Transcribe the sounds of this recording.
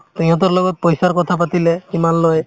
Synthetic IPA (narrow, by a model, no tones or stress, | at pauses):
t̪uj̃ãt̪̬ɔɹlɔɡɔt̚pɔjsaɹkɔt̪ʰapat̪ilɛkimanloj